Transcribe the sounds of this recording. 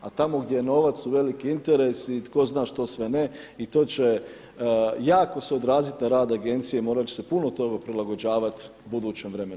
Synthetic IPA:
at̪amo̞ɡd̪jejeno̞ːʋat̪sːuʋe̞likiint̪e̞ɾesit̪ko̞znaːʃt̪o̞ːsʋe̞ne̞ | it̪o̞ːt͡ɕe̞ | jaːko̞seo̞d̪ɾaːzit̪naɾaːd̪aɡe̞nt̪sijeimo̞ːɾat͡ɕe̥se̞puno̞t̪o̞ɡapɾilˠaɡo̞d͡ʑaːʋat̪ | bud̪uːt͡ɕe̞mʋɾe̞me

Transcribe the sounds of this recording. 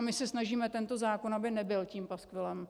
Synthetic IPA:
mɪsɛsnaʒiːmɛt̪ɛnt̪o̞zaːko̞nabɪnɛbɪlciːmpaskvɪlɛm

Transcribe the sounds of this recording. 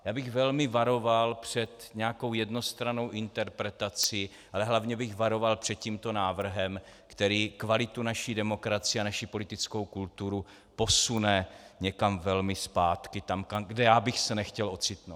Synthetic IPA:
jaːbɪɣvɛlmɪvaɾo̞valpr̝̥ɛt̪ɲɛako̞wjɛdno̞st̪ɾano̞wʔɪnt̪ɛɾpɾɛt̪at͡sɪ | ʔalɛɦlavɲɛbɪɣvaɾo̞valpr̝̥ɛt̪̚ciːmt̪o̞naːvr̩ɦɛm | kt̪ɛɾiːkvalɪt̪unaʃidɛmo̞kɾat͡sɪɛanaʃipo̞lɪt̪ɪt͡sko̞wkult̪uɾu | po̞sunɛɲɛkamvɛlmɪspaːt̪kɪt̪amkamɡdɛjaːbɪxsɛnɛxcɛlʔo̞t͡sɪt̪nowt̪

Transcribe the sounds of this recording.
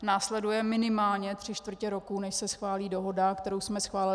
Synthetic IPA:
naːslɛdujɛmɪnɪmaːlɲɛt̪r̝̥ɪt͡ʃt̪vr̩cɛɾo̞kuːnɛʃsɛsxvaːliːdo̞ɦo̞dakt̪ɛɾowsmɛsxvaːlɪ

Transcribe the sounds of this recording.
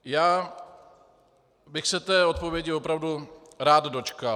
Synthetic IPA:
jaː | bɪxsɛt̪ɛːo̞t̪̚povjɛɟɪvo̞pɾavdu | ɾaːd̪do̞t͡ʃka

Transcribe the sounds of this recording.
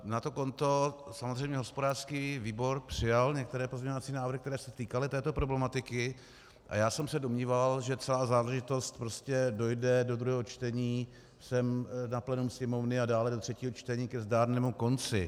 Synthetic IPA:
nat̪oko̞nt̪o̞samozrɛjmɲɛɦo̞spodaːr̥skiːviːbo̞ɾpr̝̥ɪjalɲɛk̚t̪ɛɾɛːpozmɲɛɲovat͡siːnaːvɾ̩hɪkt̪ɛɾɛːsɛt̪iːkalɪt̪ɛːt̪o̞pɾoblɛmat̪ɪkɪ | ʔa̰jaːsɛmsɛdomɲiːvalʒɛt͡sɛlaːzaːlɛʒɪt̪o̞st̪̚pɾoscɛdo̞jdɛdod̪ɾuɦɛːɦot͡ʃt̪ɛɲiː | sɛmnaplɛnumsɲɛmo̞vnɪadaːlɛdot̪r̝̥ɛciːɦot͡ʃt̪ɛɲiːkɛzdaːdnɛːmuko̞nt͡sɪ

